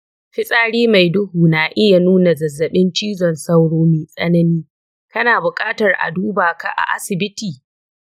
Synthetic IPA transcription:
ɸɪ˦sʼaː˦˨ɽiː˦ma˨jdʊ˦huː˨naː˨ʔɪ˦ja˨nuː˦na˨zɐ˨zːɐ˨ɓɪ˦nt͡ʃiː˦zɔ˨nsɐ˦wɽoː˦meː˨sʼɐ̰˦nɐ˦niː˦ | kɐ˦naː˨bʊ˨kʼaː˦tɐ˨rʔa̰˨duː˦baː˨ka̰˦ʔa̰˨ʔa̰˦sɪ˨bɪ˦tiː˨

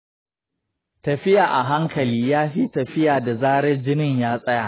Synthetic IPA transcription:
tɐ˨ɸɪ˦jaː˨ʔa˨ɦa˦ŋkʰɐ˨liː˦jaː˦ɸiː˦tɐ˨ɸɪ˦jaː˨da˨zaː˦ɽɛ˦nd͡ʒɪ˦nɪ˦ɲjaː˦sʼɐ˦ja˨ʔ

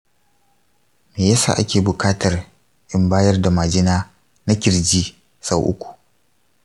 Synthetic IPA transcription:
meː˨jɐ˦sa̰ː˨ʔa˦kʲeː˨bʊ˨kaː˦tɐ˨r | ʔɪ˦mbaː˦jɐ˦rda˨ma˨d͡ʒɪ˦naː˦ | na˦kʲɪ˨ɾd͡ʒiː˦ | sa˦wʔʊ̰˦kʷu̥˨ʔ

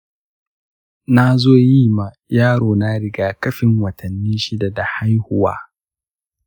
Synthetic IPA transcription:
na˦zoː˦˨jiː˦ma˨ | jaː˦ɽoː˨na˦ɽɪ˦ɡaː˦kɐ˦ɸɪ˨ŋwɐ˨tʰɐ˨nːiː˦ʃɪ˦da˨da˨ha˦jhʊ˦wa̰ː˦

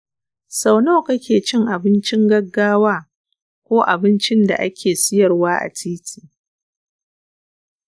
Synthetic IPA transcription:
sa˨wno˦˨kɐ˦kʲeː˨t͡ʃɪ˦ŋʔa˨bɪ˦nt͡ʃɪ˦ŋɡɐ˦ɡːaː˦waː˦ | kʷoː˦ʔa̰˨bɪ˦nt͡ʃɪ˦nda̰˨ʔa˦kʲʰeː˨sɪ˦jɐ˨rwaː˦ʔa̰˨tiː˦tʰi̥ː˨

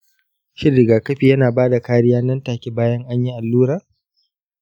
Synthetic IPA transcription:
ʃɪ˦rːɪ˨ɡaː˨kɐ˦ɸiː˨jɐ˦naː˨baː˦da˨kaː˦ɾɪ˦jaː˦nɐ˦ntaː˨kʲi˦baː˦jɐ˦ŋʔa˦ɲji˦ʔa˨lːuː˦ɾaː˨

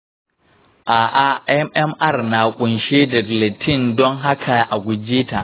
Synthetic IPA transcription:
ʔaː˨ʔa˨ʔɛ˦mʔɛ˦mʔa˦˨rna˨kʷʼʊ˨nʃeː˦dɐ˨ɡle˨tʰɪ˦˨ndɔ˦ŋɦa˦kʰa˨ʔa˨ɡʷʊ˨d͡ʒiː˦ta˨ʔ

